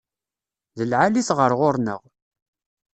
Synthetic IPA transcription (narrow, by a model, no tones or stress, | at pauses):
ðəlʕaliθʁəɾʁʊɾnə̰ʁ